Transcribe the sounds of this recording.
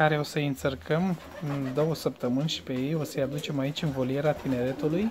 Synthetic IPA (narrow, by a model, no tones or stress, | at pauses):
kaɾeosəjɨnsərkʰəm | ɨnd̪o̞wəsəp̚t̪əmɨnʲʃi̥pe̞je̞jo̞səjad̪ut͡ʃe̞mait͡ʃʲɨnvo̞lie̞ɾat̪ine̞ɾe̞t̪uluj